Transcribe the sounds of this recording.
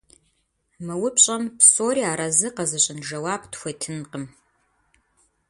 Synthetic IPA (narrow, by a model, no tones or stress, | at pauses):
mɨwʊpʰɕʼɐmpʰsoːɾiaːɾɐzɨqɐzɨɕʼɪnʒɐwaːptxʷejtʰɨnqəm